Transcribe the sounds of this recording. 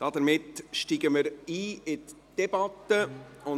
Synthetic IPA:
d̥ɑdəɾmɪtʃtiːɡəməɾiːɪtd̥ɛbɑtːəʊ

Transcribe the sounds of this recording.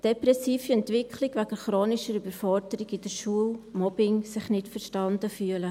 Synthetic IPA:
d̥ɛpɾɛsiːfiɛntʋɪkʰlɪɡʋæɡəɾχɾoːnɪʃəɾybəɾfɔɾdəɾiɡɪd̥əɾʃuəlmɔbɪŋsɪχnɪtfəɾʃtɑnd̥əfyːələ

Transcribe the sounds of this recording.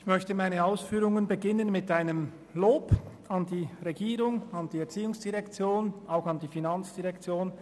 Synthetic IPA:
ɪçmœçtəmaɪnəaʊsfyːʁʊŋənbəɡɪnənmɪtaɪnəm | loːb | ɑndiːʁɛɡiːʁʊŋɑnd̥iːɛɐt͡siːʊŋsd̥iʁɛkt͡sjoːnʔaʊxɑndiːfinɑnt͡sd̥iʁɛkt͡sjoːn

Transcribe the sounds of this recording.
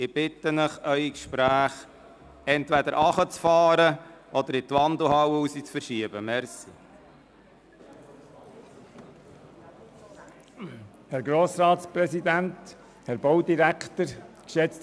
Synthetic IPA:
ɪb̥ɪt̪ːənəχœʏikʃpɾæːχ | ɛntvɛd̪əɾʔɑχət͡sfɑːɾəʔɔd̥̪əɾɪt̪ʋɑnd̪l̩ɦɑwuːsit͡sfəɾʃiəbəmɛɾsi | hɛɾɡɾoːsɾɑːt̪spɾɛsid̪ænt̪ | hɛɾbowdiɾækʰt̪əɾkʃɛt͡st

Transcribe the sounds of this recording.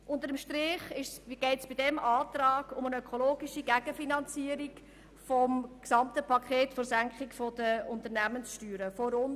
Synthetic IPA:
ʔʊntəɾəmʃtɾɪːχɪʃɡ̥ɛɪtsb̥idɛmʔɑːtrɑːɡ̥ʊmənœkʰoloːɡiʃiɡæɡ̥əfinɑnt͡siəɾik | fɔmksɑmtəpʰɑkʰχeːtfoɾsæŋkχɪkfɔd̥əʊntəɾnæmənsʃtyːɾəfɔɾʊn

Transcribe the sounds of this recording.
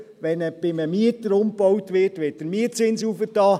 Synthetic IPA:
ʋɛnəb̥ɪməmiətəɾʊmpɔwtʋɪːtʋɪːt̚d̥əɾmiətt͡sɪnsuːfətɑː

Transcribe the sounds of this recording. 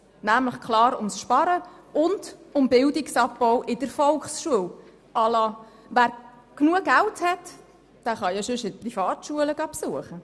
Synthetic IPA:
næmləχkχlɑːɾʊmsʃpɑɾəʊndʊmbɪldiksɑpːɔwʔɪdəɾfɔlkχsʃuəw | ʔɑːlɑː | ʋæːɾ | knuəɡælthɛt | d̥æːχɑjɑʃʏʃɪt̚prifɑːtʃuələɡɑːpsuəχə

